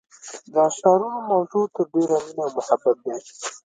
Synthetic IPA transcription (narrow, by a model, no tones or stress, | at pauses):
d̪əaʃɑɾunomawzut̪əɾɖeɾaminawmʊhabːat̪̚d̪e